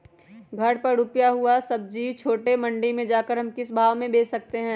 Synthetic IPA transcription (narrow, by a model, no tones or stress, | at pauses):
ɡʱɐɽpɐɾɾupjaɦuasɐb̚d͡ʒiːʋt͡ʃʰoːʈemɐ̃ɳɖimẽd͡ʒaːkəɾɦɐmkɪsbʱaːʋmẽbeːsɐk̚t̪eɦɛ̃ː